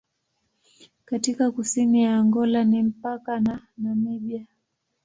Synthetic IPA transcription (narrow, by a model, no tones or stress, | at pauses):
katikakusinijaːŋɡɔlanim̩pakananamiɓia